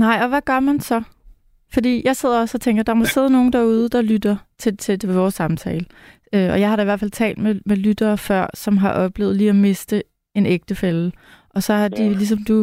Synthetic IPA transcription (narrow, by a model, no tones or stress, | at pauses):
nɑ̈ɪ̰ɒ̽ʋæɡ̥ɶɐmænsɒ̽ | fɒ̽d̥ḭːjɑ̈ɪse̝ð̞̰ˠɐɒ̽sɒ̽t͡sʰeŋɡ̥ɐd̥ɑ̈mɒ̽se̝ð̞ˠəno̝ːn̩d̥æɐuːð̞ˠəd̥ɑ̈lyd̥ɐt͡sʰe̝t͡sʰe̝ʋɒːsːɑ̈mt͡sʰɛːlə | øɒ̽jɑ̈ɪhɑ̈ɾɑ̈iʋæɐfæl̰t͡sʰɛ̰ːld̥memelyd̥ɐːfɶɐ̰sɒ̽mɦɑ̈ʔɒ̽b̥le̝̰ːð̩ˠliːɒme̝sd̥ə | e̝neɡ̥̚d̥əfel | ʔɒ̽sɒ̽hɑ̈d̥ilis̬ɒ̽md̥u